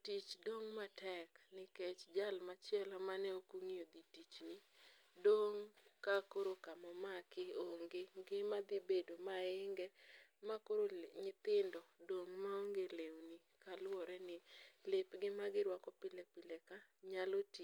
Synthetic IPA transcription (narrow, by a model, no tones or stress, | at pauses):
tit͡ʃdoŋmatɛknɪket͡ʃd͡ʒalmat͡ʃɪɛlamanɛokuŋiod̪itit͡ʃni | doŋkakoɾokamɔmakɪoŋɡɪɡɪmad̪ibedomaɪŋɡɛmakoɾoɲɪt̪ɪndɔdoŋmaoŋɡelewni | kalwɔɾɛnɪlɪpɡɪmaɡɪɾwakɔpɪlɛpɪlɛkaɲalotit͡ʃ